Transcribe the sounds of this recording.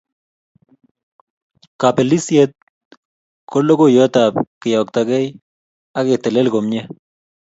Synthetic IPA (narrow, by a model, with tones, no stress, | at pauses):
ka˨pe˨li˦sje˦t̪̚ | kʰo˦lo˦ko˦jɔ˦ta˨pkɪ˨jɔ˨k̚t̪a˨kɛ˦j | a˦kɪ˨te˨le˦lko˨mɲɛ˦